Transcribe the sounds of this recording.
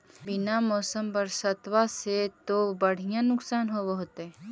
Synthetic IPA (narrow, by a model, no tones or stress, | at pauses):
bɪnamɔːsəmpəɾsət̪ʋaset̪obəɽ̤ijãnʊksaːnɦoboɦot̪ɛ